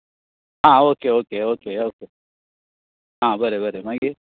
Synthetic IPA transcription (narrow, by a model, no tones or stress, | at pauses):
ɦãːoːkeoːkeoːkeoːkeː | ɦãːbəɾebəɾemãɡi